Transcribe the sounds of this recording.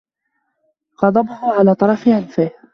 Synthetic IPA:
ɣɑd̪ˤɑbʊhʊʕalaːt̪ˤɑɾˤɑfɪʕanfɪh

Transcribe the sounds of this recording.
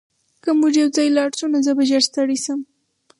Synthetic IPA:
kamuʐjawzɑjlɑɽsunazəbaʒaɾst̪aɽisəm

